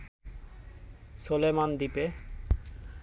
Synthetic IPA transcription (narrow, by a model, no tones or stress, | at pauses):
sulemand̪ipe